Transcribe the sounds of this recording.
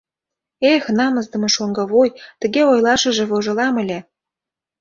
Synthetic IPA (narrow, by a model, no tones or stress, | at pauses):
exnɑməzd̪ə̆mɤ̆ʃoŋɡɤ̆βojt̪ə̆ɣeojlɑʃə̆ʒĕβoʒɤ̆lɑmə̆lʲe